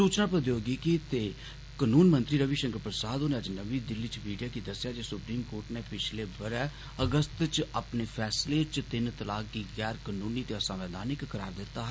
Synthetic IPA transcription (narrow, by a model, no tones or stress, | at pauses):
uːt͡ʃnãːpɾəd̪joːɡikit̪eː | kənuːnmənt̪ɾiːɾəʋiːʃə̃ŋkəɾpɾəsaːd̪onẽːəd͡ʒnəʋiːd̪ɪlːiːt͡ʃmiːɖijaːkid̪əsːjaːd͡ʒeːsʊpɾiːmkoːɾʈneːpɪt͡ʃʰleːbəɾɛ̃ː | əɡəst̪t͡ʃəpneːpʰɛːsleːt͡ʃt̪ɪnt̪əlaːkkiːɡɛːɾkənuːniːt̪eːəsãːʋɛːd̪aːnɪkːəɾa̰ːɾd̪ɪt̪ːaːɦ